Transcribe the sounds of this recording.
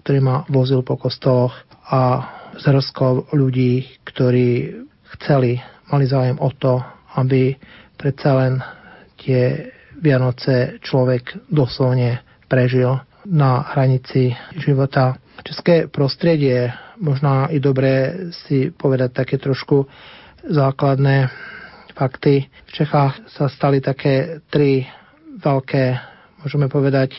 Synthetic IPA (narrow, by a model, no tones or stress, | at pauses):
kt̪ɔɾiːmaʋɔzilpɔkɔst̪ɔlɔx | azɦr̩skɔʊʎuɟiːkt̪ɔɾiː | xt͡sɛlimalizaːujɛmɔt̪ɔabipɾɛt͡salɛnt̪ɪɛ | ʋɪanɔt͡sɛt͡ʃlɔʋɛɡd̪ɔslɔʊɲɛ | pɾɛʒil | naɦɾaɲit͡siʒiʋɔt̪a | t͡ʃɛskɛːpɾɔst̪ɾɪɛɟɪɛmɔʒnaid̪ɔbɾɛːsipɔʋɛd̪ac̚t̪akɛːt̪ɾɔʃku | zaːklad̪nɛ | fakt̪ift͡ʃɛxaːxsast̪alit̪akɛːt̪ɾi | ʋɛlkɛː | mʊɔʒɛmɛpɔʋɛd̪ac